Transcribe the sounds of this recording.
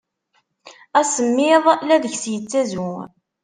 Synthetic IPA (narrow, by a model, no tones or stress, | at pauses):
æsəmːɪðˤlæðəçsjət͡sːæzu